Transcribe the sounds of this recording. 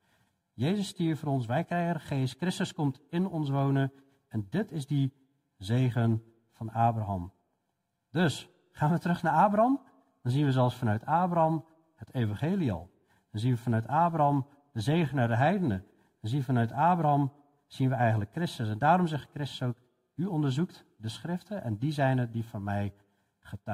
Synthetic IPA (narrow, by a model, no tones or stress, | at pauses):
jeːzəsːtiəfəːɾɔns̬ʋɛjkrɛjəχeːskrɪstəskɔmtɪnɔnsʋoːnə | ɛndɪtʰɪzdi | zeːɣən | fɑnaːbraɦɑ̰m | døs | χaːnʋətərɵχnaɹaːbrɑm | d̥ɔnzinʋəzɛlˠsfɑnœɥtʰaːbrɑm | hətʰejvɑ̃nχeːliɔ̰lˠ | d̥ɔnzinʋəfɑnœɥtaːbrɑm | dəzeːɣənədəɦɛjdənə | d̥ɔnzifɑnœɥtʰaːbraɑm | z̥inʋəɛjɣən̩tləkːrɪstəs̬ɛndaːrɔmzɛxt̚krɪstə̥sowk | yɔndərzukt | dəsχrɪftəʔɛ̰ndizɛjnədifɔnmɛj | χət